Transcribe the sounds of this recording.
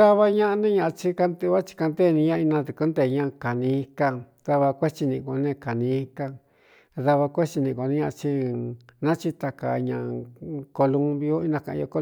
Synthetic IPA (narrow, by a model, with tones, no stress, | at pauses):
a˦βa˧ɲã˦ʔnẽ˦ɲã˧ʔt͡ʃi˧ka˧nd̪e˧βa˦t͡ʃi̥˧ka˧nd̪e˦˨˧nĩ˧ɲã˧i˧nã˧t̪u˨ku˦nd̪e˧˨˧ɲã˦˧ka˨nĩ˧i˧ka˧ | ða˧βa˧kʷe˦t͡ʃi˧nĩ˧ko˧nẽ˦˧ka˨nĩ˧i˧ka˧ | ða˧βa˧kʷe˦t͡ʃi˧nĩ˧˨˧ko˧nĩ˦ɲã˧t͡ʃi˧nã˦t͡ʃi˧t̪a˧ka̰˨ɲã̰˧˨ko˧lu˧mbi˧o˦i˦nã˧kã˨ʔjo˧ko˧˦